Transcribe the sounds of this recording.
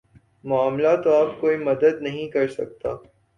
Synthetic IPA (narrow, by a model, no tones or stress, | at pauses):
mʊaːmlat̪oaːp̚koːimɐd̪əd̪nɐɦĩkɐɾsɐ̰k̚t̪aː